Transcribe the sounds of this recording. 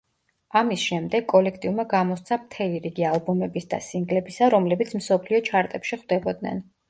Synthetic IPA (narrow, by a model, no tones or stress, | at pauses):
amisʃɛmd̪ɛɡkʼːɔlɛkʰt̪ʼiumaɡamɔst̪sʰamt̪ʰɛliɾiɡialˠbumɛbisd̪a̰siŋɡlɛbisaɾɔmlɛbit̪sʰm̩sɔpʰliɔt͡ʃʰaɾt̪ʼɛpʃiχwd̪ɛbɔd̪nɛ̰n